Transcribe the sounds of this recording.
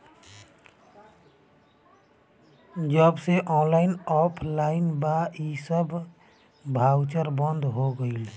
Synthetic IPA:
d͡ʒəbseʔɔ̃ːnlaːɪnɔːpʰlaːɪnbaisəb | bʱaːwt͡ʃəɾbə̃nd̪ʱɦoɡəil

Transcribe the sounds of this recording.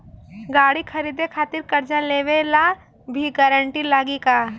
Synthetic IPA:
ɡaːɽikʰɐɾiːd̪ekʰaːt̪ɪɾkɐɾd͡ʒaleːʋela | bʱiɡɛːɾəɳʈilaːɡikaː

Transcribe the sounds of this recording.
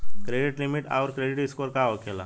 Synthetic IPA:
kɾeɖiʈlimiʈa̰wɾkɾeɖiʈiskoɾkaokʰela̰

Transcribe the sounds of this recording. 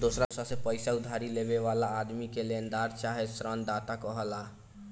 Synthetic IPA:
d̪osɾasasẽpəjsaud̪ʱaɾileβeβalaːd̪mikelend̪aɾt͡ʃaɦesɾənd̪at̪akəɦəla

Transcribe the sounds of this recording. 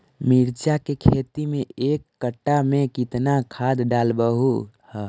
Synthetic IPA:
miɾt͡ʃakekʰet̪imeekːəʈːamẽkit̪nakʰad̪ɖalbəɦu | h

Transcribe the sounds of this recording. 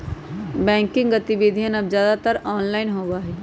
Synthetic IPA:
bɛ̃ːŋkɪ̃ŋɡɡɐt̪ibeːd̪ʱijənɐbzjaːd̪at̪əɾɔːnlaːɪnɦoːbaːɦɛː

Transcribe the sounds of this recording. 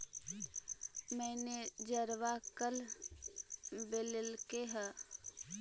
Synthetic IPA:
mɛned͡ʒəɾʋakəl | belelkeɦɛ

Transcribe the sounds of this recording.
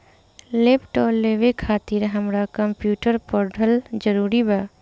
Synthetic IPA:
leːpʈɔːɾleʋekʰaːt̪iɾɦəmɾakəmpjuːʈəɾpɔɾɖʱəld͡ʒəɾuːɾibaː

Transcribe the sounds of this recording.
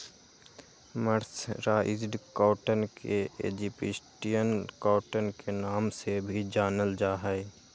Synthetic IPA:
məɾsɾaːʔɪ̰zɖkaːʈənkeḛːd͡ʒipɪsʈijənkaːʈənkenaːmsebʱid͡ʒaːnəld͡ʒaːɦɛɪ

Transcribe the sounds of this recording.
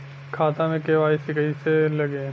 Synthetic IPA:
kʰaːt̪ãmẽkeːʋaːisɪkəiselɐɡeː

